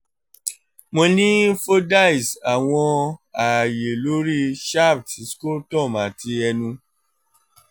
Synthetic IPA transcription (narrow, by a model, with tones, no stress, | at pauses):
mõ˧nĩ˦fo˦da˦˨i˨sa˨w̃ɔ̃˧a˨je˨lo˨˦ɾi˦ʃa˦˨bti˨˦sko˦tɔ̃˦˨mã˨ti˧ɛ˧nũ˧